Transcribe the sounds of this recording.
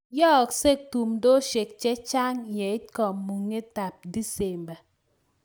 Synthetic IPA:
jɔ˦˨kse˦˨k̚tu˨mdo˦ʃe˨k̚t͡ʃe˦t͡ʃa˦ŋjɛ˨i˦kɔ˨mːu˨ŋe˦ta˨p̚di˦se˨mba˨

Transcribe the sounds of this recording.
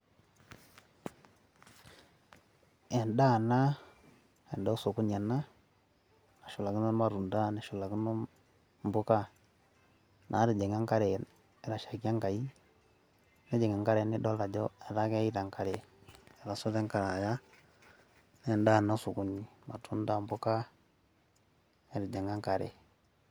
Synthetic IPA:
ɛ˨nda˦˨na˦ | e˨ndɔ˦su˨ku˦ɲa˨na˦ | na˨ʃu˨la˨ki˦nɔ˦ma˨ɾu˨nda˦na˨ʃu˨la˨ki˦nɔ˦ | mbu˦ka˦ | nʔa̰˨˦ɾi˨d͡ʒɛ˨ŋa˦ŋka˦ɾɛ˨ | ɛ˨ɾa˨ʃa˨ki˦a˦ŋɡa˨i˦ | nɛ˦d͡ʒɛ˨ŋa˨ŋka˦ɾɛ˨nɛ˦dɔ˦la˨d͡ʒɔ˦ɛ˨ɾa˦kɛ˦i˦ta˨ŋka˨ɾɛ˨ɛ˨ɾa˨su˦tɛ˦ŋka˨ɾa˨ja˦ | nɛ˨nda˦˨na˦su˨ku˦ɲi˨ma˨tu˦nda˦mbu˦ka˦ | ɛ˨ɾi˨d͡ʒɛ˨ŋɡa˦ŋka˨ɾɛ̰˨

